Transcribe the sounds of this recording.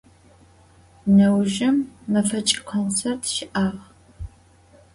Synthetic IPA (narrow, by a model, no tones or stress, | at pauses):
nɐwʒɪmːɐfɐt͡ʃʼɪkʷʰont͡sʰertʰʃɪʔaːʁ